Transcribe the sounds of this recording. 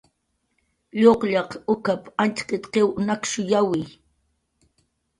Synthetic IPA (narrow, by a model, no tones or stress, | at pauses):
ʎoqʎɑqʊkapant͡ʃqɪt̪qewnakʃʊjawɪj